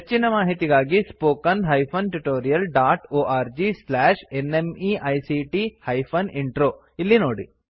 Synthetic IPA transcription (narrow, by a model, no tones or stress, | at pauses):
ɦet͡ʃːinɐmaːɦit̪iɡaːɡispoːkɐnɦɐjpʰɐnʈuʈoːɾijɐlɖaːʈoːʔaːɾd͡ʒislaːʃenemiːʔɐjsiʈihɐjpʰɐniɳʈɾoː | ilːinoːɽḭ